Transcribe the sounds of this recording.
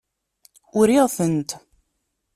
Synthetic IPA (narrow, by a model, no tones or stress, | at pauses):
ʊɾiʁθənt̪